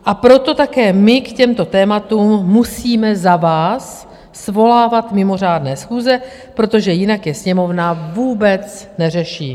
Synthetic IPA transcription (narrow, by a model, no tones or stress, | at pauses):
ʔapɾo̞t̪o̞t̪akɛːmɪkcɛmt̪o̞t̪ɛːmat̪uːmːusiːmɛzavaːsː | vo̞laːvat̪mɪmo̞r̝aːdnɛːsxuːzɛ | pɾo̞t̪o̞ʒɛjɪnakjɛsɲɛmo̞vnavuːbɛt͡snɛr̝ɛʃiː